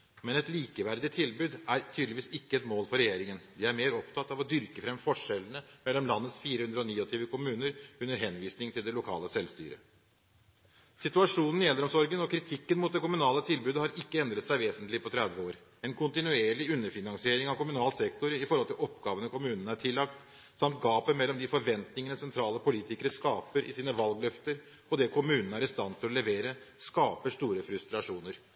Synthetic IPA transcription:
mɛnɛt̪liːkəʋæɾd̪ɪt̪ʰɪlbʉːd̪æɾt̪ʰyːd̪lɪʋiːsɪkːəɛt̪moːlfɔɾɛjeːɾɪŋənd̪ɪæɾmeːɾɔpt̪ʰɑt̪ːɑʋɔd̪ʏɾkəfɾɛmfɔʂɛlənəmɛlːɔmlɑnːət̪sfiːɾəhʉnd̪ɾəɔniːɔt̪ʰiːʋəkʰʊmʉːnəɾʉnːəɾɦɛnʋiːsnɪŋt̪ʰɪld̪ɛlʊkʰɑ̰ːləsɛlst̪y̰ːɾə̰ | sɪt̪ʉɑʂuːnn̩jɛlːəɾɔmsɔɾɡənɔkʰɾɪt̪ʰɪkːənmʊut̪̚d̪ɛkʊmʉnɑːlət̪ʰɪlbʉːd̪əhɑɾɪkːəɛnd̪ɾət̪sæɪʋeːsənt̪lɪpʰɔt̪ʰɾɛd̪ʋəoːɾ | ɛnkʰʊnt̪ɪnʉeːɭɪʉnːəɾfɪnɑŋsɪeːɾɪŋɑʋkʰʊmʉnɑːlsɛkt̪ʊɾɪfɔɾhɔlt̪ʰɪlɔpɡɑːʋənəkʊmʉːnənəæʈʰɪlːɑkt̪ | sɑmt̪̚ɡɑːpəmɛlːɔmd̪ɪfɔɾʋɛnt̪nɪŋənəsɛnt̪ʰɾɑːləpʊliːt̪ɪkəɾəskɑːpəɾʔɪsiːnəʋɑlɡlœft̪əɾ | ɔd̪ɛkʰʊmʉːnnəæɾɪst̪ɑnt̪ʰɪlɔlɛʋeːɾəskɑːpəʂt̪uːɾəfɾʉst̪ɾɑʂuːnəɾ

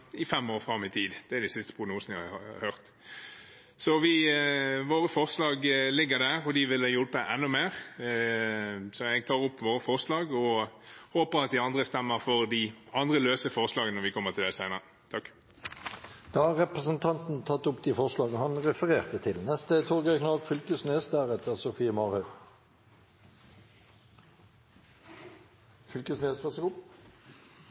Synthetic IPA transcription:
ɪfɛmːoːʁfɾɑmːɪt̪ʰiːd̪d̪̥ɛæɾd̪ɪsɪst̪ə̥pʰʁʊɡnuːsnəjæhɑɑhœʁt̪ | sɔʋɪ | ʋoːɾəfɔʁslɑːɡlɪɡːəɾd̪æʁɔd̪ɪʋɪld̪ɛjɔlpəʔɛnːʊmeːʁ | sɔɛɡ̚t̪ʰɑːɾʊpːʋoːɾəfɔʁslɑːɡɔ | hoːpəɾɑt̪̚d̪ɪɑnd̪ʁəst̪ɛmːəɾfɔɾd̪ɪɑnd̪ʁəløːsəfɔʁslɑːɡənɔɾʋɪkʰɔmːət̪ʰɪld̪ɛsæɪnəʁə | t̪ʰɑkː | d̪̥ɑɑʁʁɛpʁəsənt̪ʰɑnt̪n̩t̪ʰɑt̪ːʊpd̪ifɔʁslɑːɡəhɑnʁɛfəʁeːʁt̪ət̪ʰɪlnɛst̪ət̪ʰɔʁɡəknɑːlt̪fʏlkəsnest̪d̪æːʁɛt̪ːəʁsʊfiːəmɑːʁhœ | fʏlkəsnyest̪pɛsəkʊp

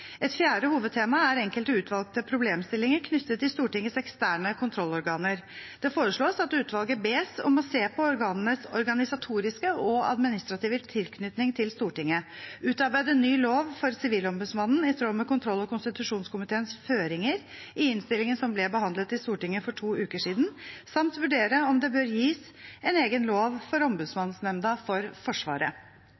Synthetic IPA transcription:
ɛt̪fjæːɖəhuːʋəd̪̚t̪ʰeːmɑæɾɛŋkəlt̪əʉːt̪ʰʋɑlˠk̚t̪əpʰɾʊbleːmst̪ɪlːɪŋəɾkʰnʏt̪ːət̪ʰːɪlst̪uːʈɪŋːəsɛkst̪æːɳəkʰʊnt̪ʰɾɔlːɔɾɡɑːnəɾd̪̥ɛfoːɾəʂɭoːsɑt̪ʉːt̪ʋɑlˠɡəbeːsɔ̰mɔseːpʰɔɔɾɡɑːnənəsɔɾɡɑnɪsɑt̪ʰuːɾɪskəʔɔɑ̰d̪mɪnɪst̪ɾɑt̪iːʋət̪ʰɪlkʰnʏt̪nɪŋt̪ʰɪlst̪uːʈɪŋːəʉːt̪ɑɾbæɪd̪ənyːloːʋfɔɾsɪʋiːlɔmbʉd̪smɑnn̩ɪst̪ɾoːmɛkʊnt̪ʰɾɔlːɔkʊnst̪ɪt̪ʉʂuːnskʊmɪt̪ʰeːənsføːɾɪŋəɾ | ɪɪnst̪ɪlɪŋənsɔmblɛbəhɑnd̪lət̪ɪst̪uːʈɪŋːəfɔʈʰuːʉːkəʂiːd̪n̩sɑmt̪ʋʉɖeːɾəɔmd̪ɛbøːɾjiːs | ɛneːɡənloːʋfɔɾɔmbʉd̪smɑnːnsnɛmd̪ɑfɔɾfɔʂʋɑ̰ːɾə̰

